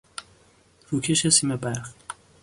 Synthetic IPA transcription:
ɾuːcʰeʃesiːmebæɾχ

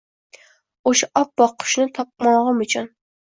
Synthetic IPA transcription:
oʃɛʔɑp̚bɑqʰːʊ̥ʃnɨt̪ʰɑp̚mɑʁɑmut͡ʃʰun

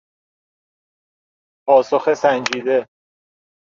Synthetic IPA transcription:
pʰɒːsoxesænd͡ʒiːd̪e̞

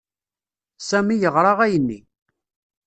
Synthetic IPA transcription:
sæmijəʁɾˤɑʁæjənːḭ

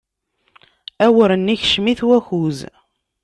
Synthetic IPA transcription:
æwəɾənːiçʃmiθwæçuz

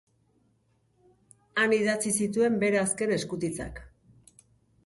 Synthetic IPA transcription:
aniðat͡sisit̪̬ue̞mbe̞ɾeaske̞ne̞skut̪it͡sa̰k

